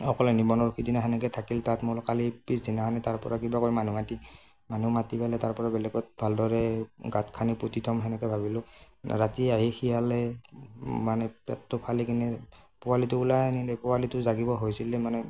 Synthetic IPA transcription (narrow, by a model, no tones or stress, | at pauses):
ɔkɔlɛnibɔnɔɹkʰidinaɦɛnɛkɛtʰakiltatmʊɹɔkalipisdinaɦanɛtaɹpɔ̰ɹakibakoɹimanumati | manumatipalɛtaɹpɔɹabɛlɛɡɔt̚bʱaldɔɹɛɡatkʰanipɹotitʰɔmɦɛnɛkɛbʱabilʊ | ɹatiaɦixijalɛ | manɛpɛ̰tːɔpʰalikinɛpʊalitʊulajanilɛpʊalitʊzaɡibɔɦojsilɛmanɛ